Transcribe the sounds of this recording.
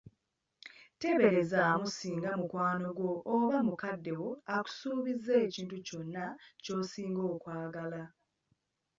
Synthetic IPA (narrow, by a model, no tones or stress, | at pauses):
te̞βe̞ɾe̞zaːmusiːŋɡamukwaːno̞ɡwo̞ʔːβamukadːe̞wo̞aku̥suːβizːe̞ːciːntuco̞nːaco̞ːsiːŋɡo̞ːkwaːɡala